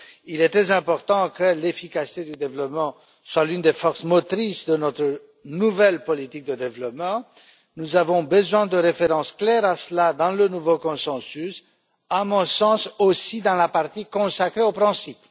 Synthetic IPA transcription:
ilɛt̪ʁɛzɛ̃pɔʁt̪ɑ̃kəlefikasi̥t̪ed̪yd̪evlɔpmɑ̃ | swalynd̪efɔʁsmɔt̪χisd̪ənɔt̪χə | nuvɛlpɔlit̪ik̚d̪əd̪evlɔpmɑ̃ | nuzavɔ̃bəzwɛ̃d̪əʁefeʁɑ̃sklɛʁasəlad̪ɑ̃lənuvokɔ̃sɑ̃sys | amɔ̃sɑ̃sosid̪ɑ̃lapaʁt̪ikɔ̃sakχeopχɛ̃sip

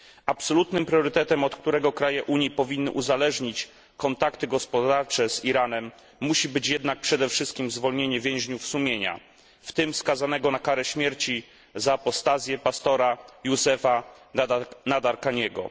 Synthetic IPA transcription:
apsɔlut̪nɘmpɾʲjɔɾɘt̪ɛt̪ɛmɔt̪k̚t̪uɾɛɡɔkɾajɛʔuɲjipɔvʲinːɘʔuzalɛʐɲit͡ɕ | kɔnt̪akt̪ɘɡɔspɔd̪aɾt͡ʂɛz̥iɾanɛmː | uɕibɘt͡ɕjɛd̪nak̚pʂɛd̪ɛfʂɘst̪̚kʲimzvɔlɲeɲɛvʲjɛ̃w̃ʑɲufsumʲjeɲa̰ | ft̪ɘmskazanɛɡɔnakaɾɛɕmʲjɛɾt͡ɕi | zaːpɔst̪azʲjɛpast̪ɔɾajuzɛfa | nad̪aɾkaɲɛɡɔ̰

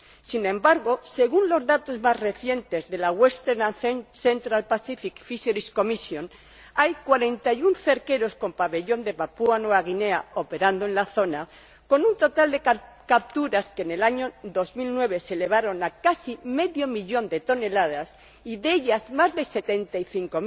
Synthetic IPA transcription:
sinẽ̞mbaɾɣo̞se̞ɣ̞unlo̞zðat̪o̞zmazre̞θje̞nt̪e̞zðe̞laɣwe̞st̪eɾnanθθe̞nt̪ɾalpasifikfiseɾisko̞misjo̞n | ajkwaɾe̞nt̪ajunθe̞ɾke̞ɾo̞sko̞mpaβe̞ʎo̞nd̪e̞βapuanweaɣine̞a̰o̞pe̞ɾand̪oẽ̞nlaθo̞na | ko̞nunt̪o̞t̪ald̪e̞k | kap̚t̪uɾaskene̞laɲo̞ðo̞zmilnwe̞β̞e̞se̞le̞β̞aɾo̞nakasime̞ðjo̞miʎo̞nd̪e̞t̪o̞ne̞lað̞as | iðeʎazmazðe̞se̞t̪e̞nt̪aiθiŋko

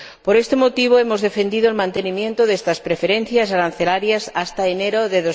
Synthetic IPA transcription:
poɾest̪emot̪iβ̞oemozðefend̪iðoelmãnt̪enimjent̪oðest̪aspɾefeɾen̟θjasaɾanθelaɾjasast̪aeneɾoðeðo

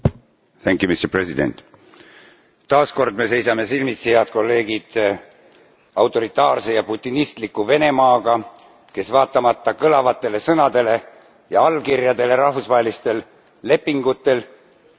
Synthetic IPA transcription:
θæŋkˑjumist̪epresid̪ḛnt̪ˑ | t̪ɑːsko̞rd̪̥me̞se̞jsɑme̞silmit̪sijɑd̪̥̚ko̞lːe̞ːɡ̥id̪̥ | ɑwt̪ːˑo̞ɾit̪ːˑɑːrse̞jɑput̪ʲːˑinist̪likːuve̞ne̞mɑːɡ̥ɑ | ke̞svɑːt̪ːˑɑmɑt̪ːɑkɤlɑvɑt̪ːˑe̞le̞sɤnɑd̪̥e̞le̞ | jɑɑlːkirjɑd̪e̞le̞ɾɑhfusvɑːɦe̞list̪e̞lː | e̞pːiŋɡ̥ut̪ːˑe̞l

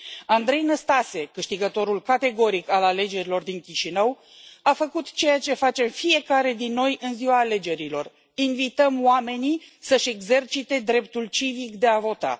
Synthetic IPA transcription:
and̪ɾe̞jnəst̪ase̞kɨʃt̪iɡət̪o̞ɾulkat̪e̞ɡo̞ɾikalale̞d͡ʒe̞ɾilo̞rd̪iŋkʲiʃinəw | afəkut̪t͡ʃe̞jat͡ʃe̞fat͡ʃe̞mfije̞kaɾe̞d̪inːo̞jʔɨnziwaːle̞d͡ʒe̞ɾilo̞r | invit̪əmoame̞nisəʃe̞ɡze̞rt͡ʃit̪e̞d̪ɾe̞p̚t̪ult͡ʃivikd̪e̞avo̞t̪a̰

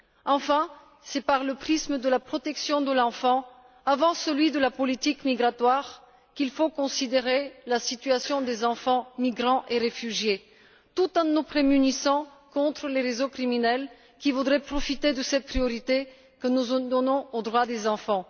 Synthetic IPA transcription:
ɑ̃fɛ̃ | sɛpaʁləpχisməd̪əlapχɔt̪ɛksjɔ̃d̪əlɑ̃fɑ̃ | avɑ̃səlɥid̪əlapɔlit̪ikmiɡʁat̪waʁ | kilfokɔ̃sid̪eʁelasit̪yasjɔ̃d̪ezɑ̃fɑ̃miɡʁɑ̃ʔeʁefyʒje | t̪ut̪ɛ̃nupχemynisɑ̃ | kɔ̃t̪χəleʁezokχiminɛl | kʲivud̪ʁɛpχɔfit̪ed̪əsɛt̪̚pχijɔʁit̪e | kənuzd̪ɔnɔ̃od̪ʁwad̪ezɑ̃fɑ̃

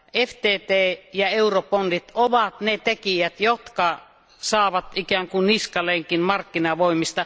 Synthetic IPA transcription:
eft̪eːt̪eːjɑeuropondit̪oʋɑt̪net̪ekijæt̪jot̪kɑ | sɑːʋɑt̪ikæːŋkunniskɑleŋkinmɑrkːinɑʋoimist̪ɑ

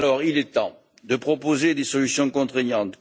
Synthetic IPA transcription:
lɔʁilɛt̪ɑ̰̃ | d̪əpχɔpozed̪esɔlysjɔ̃kɔ̃t̪χeɲɑ̃t̪

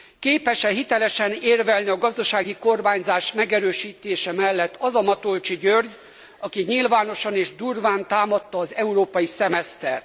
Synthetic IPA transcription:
keːpɛʃɛɦit̪ɛlɛʃɛneːrvɛlniɒɡɒzd̪ɒʃaːɡiko̞rmaːɲzaːʃmɛɡɛɾøːʃiːt̪eːʃɛmɛlːɛt̪ːɒzɒmɒt̪o̞lt͡ʃiɟørɟ | ɒkiɲilvaːno̞ʃɒneːʒd̪urvaːnt̪aːmɒt̪ːɒːzɛuɾoːpɒjisɛmɛst̪ɛr

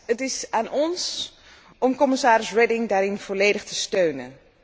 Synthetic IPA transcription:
ətɪsaːnʔɔns | ɔmkɔmɪsaːɾɪsrɛdɪŋdaːɾɪnv̥ɔleːdəχtəstøːnə̰n

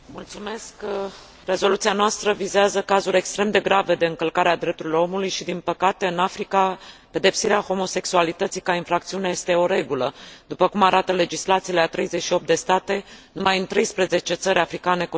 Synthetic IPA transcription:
mult̪sume̞sk | re̞zo̞lut̪sianoast̪ɾəvizeazəkazuɾʲe̞kst̪ɾe̞md̪e̞ɡɾave̞d̪e̞ɨŋkəlkaɾead̪ɾep̚t̪uɾilo̞ɾo̞mulujʃid̪inpəkat̪e̞ɨnafɾikape̞d̪e̞psiɾeaho̞mo̞se̞ksualit̪ət̪sikainfɾak̚t̪siuneje̞st̪eo̞ɾe̞ɡuləd̪upəkumaɾat̪əle̞d͡ʒislat̪sileat̪ɾe̞jze̞ʃio̞p̪̚d̪e̞st̪at̪e̞numajɨnt̪ɾe̞jspɾe̞ze̞t͡ʃe̞t̪səɾʲafɾikane̞k

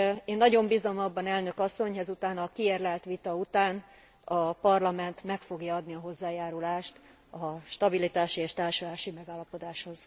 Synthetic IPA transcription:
eːnːɒɟo̞mbizomɒbːɒnɛlnø̞kɒsːo̞ɲɦɛzut̪aːnɒkierlɛlt̪ʋit̪ɒut̪aːn | ɒpɒrlɒmɛnt̪mɛkfo̞ɡjɒɒd̪niɒɦo̞zːaːjaːɾulaːʃt̪ | ɒʃt̪ɒbilit̪aːʃieːʃt̪aːrʃulaːʃimɛɡaːlːɒpo̞d̪aːʃho̞z̥

